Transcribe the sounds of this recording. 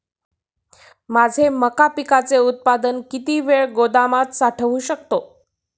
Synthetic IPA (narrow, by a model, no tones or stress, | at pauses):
mad͡zʱeməkapikat͡seut̪̚pad̪ənkit̪iːʋeɭɡod̪amat̪saʈʰəʋuɕəkt̪o